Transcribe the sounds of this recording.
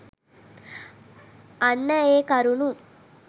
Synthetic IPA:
ɐnːɐeːkɐɾunu

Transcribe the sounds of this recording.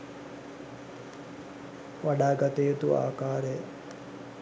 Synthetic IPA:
ʋaɖaːɡɐt̪ejet̪ua̰ːkaːɾej

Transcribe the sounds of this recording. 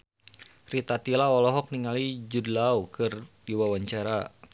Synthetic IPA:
rit̪at̪ilaɔlɔɦɔk̚niŋalid͡ʒudlaukɨrdiwawaɲt͡ʃaɾa

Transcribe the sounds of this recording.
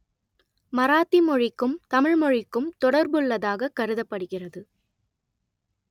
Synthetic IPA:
mɐɾaːt̪ːimɔɻɪkːɯmt̪ɐmɪɻmɔɻɪkːɯmt̪ɔɽɐɾbɯɭːɐðaːɣɐkɐɾɯðɐpːɐɽɯɣɪrɐðɯ

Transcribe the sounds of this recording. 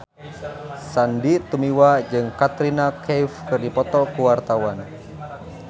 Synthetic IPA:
sandit̪umiwad͡ʒɨŋkat̪ɾinakʰɛjfkɨrdipɔt̪ɔkuwart̪awan

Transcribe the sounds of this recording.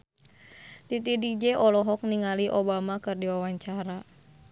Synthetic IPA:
t̪it̪idik̚d͡ʒɛʔɔlɔɦɔk̚niŋaliʔobamakɨrdiwawaɲt͡ʃaɾa

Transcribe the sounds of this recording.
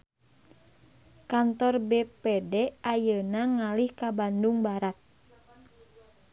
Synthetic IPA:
kant̪ɔrbɛpɛdɛʔajənaŋalihkabanduŋbaɾat̪̚

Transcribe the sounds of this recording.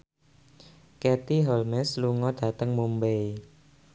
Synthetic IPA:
kɛt̪iɦɔlmɛsluŋɔd̥a̤t̪əŋmumbej

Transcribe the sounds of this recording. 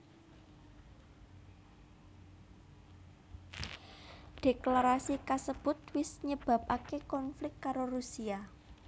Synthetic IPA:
ɖ̥e̤klaɾasikasəb̥ʊ̤t̪wɪsɲəb̥a̤p̚ʔakekɔnflɪkt̪kaɾoɾusia

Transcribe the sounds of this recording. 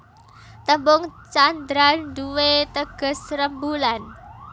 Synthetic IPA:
t̪əmbʊŋt͡ʃand̪ɾanduwet̪əɡ̥ə̤srəmbulan

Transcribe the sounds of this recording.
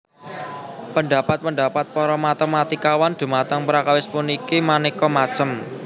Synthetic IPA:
pəɳɖ̪a̤pat̪̚pəɳɖ̪apat̪̚pɔɾɔmat̪əmat̪ikawand̪̥ṳmat̪əŋpəɾakawɪspunikimanikɔmat͡ʃəm

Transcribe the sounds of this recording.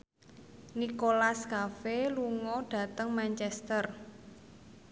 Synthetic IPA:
nikolaskafeluŋɔɖ̥ä̤t̪əŋmant͡ʃɛst̪ər

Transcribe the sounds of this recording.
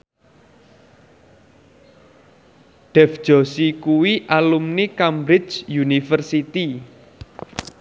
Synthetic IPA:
ɖ̥ɛfʒ̥ɔ̤sikuwiʔalumnikambɾɪt͡ʃjunifərsit̪i

